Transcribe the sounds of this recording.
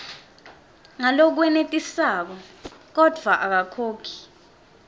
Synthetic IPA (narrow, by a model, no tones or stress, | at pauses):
ŋalok̬wɛnetʼisaːk̬ɔk̬ɔd̥ʱwaʔak̬akʰoːkʰi̥